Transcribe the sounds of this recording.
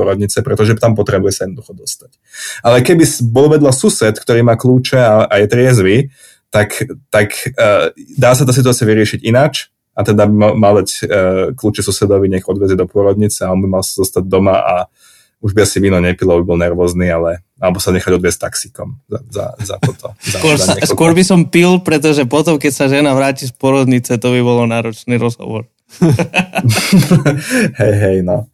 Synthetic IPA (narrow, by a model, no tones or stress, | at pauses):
ɔɾɔd̪ɲit͡sɛpɾɛt̪ɔʒɛt̪ampɔt̪ɾɛbujɛsajɛd̪nɔd̪uxɔd̪ɔst̪ḁc | ʔalɛkɛbisbɔluʋɛd̪lasusɛt̪kt̪ɔɾiːmaːkluːt͡ʃɛaʔajɛt̪ɾɪɛzʋi | t̪akt̪akː | d̪aːs̬at̪aːs̬it̪uat͡siaʋiɾɪɛʃiɟinat͡ʃ | ʔat̪ɛd̪abimamald̪acːkluːt͡ʃɛsusɛd̪ɔʋiɲɛkɔd̪ʋɛzɛd̪ɔpʊɔɾɔd̪ɲit͡sɛaɔnbimalsazɔst̪aɟ̚d̪ɔmaʔa̰ | uʒbiasiʋiːnɔɲɛpilɔbibɔlnɛɾʋɔznialɛ | alɛbɔsaɲɛxaɟɔd̪ʋɪɛsc̚t̪aksikɔmzaza̰za̰t̪ɔt̪ɔszakɔɾd̪saɛskʊɔɾbisɔmpilpɾɛt̪̬ɔʒɛpɔt̪ɔmkɛcsaʒɛnaʋɾaːcispʊɔɾɔd̪ɲit͡sɛt̪ɔbiβɔlɔnaːɾɔt͡ʃniːɾɔzɦɔ̰ʋɔ̰ɾ | ɦɛjɦɛjnɔ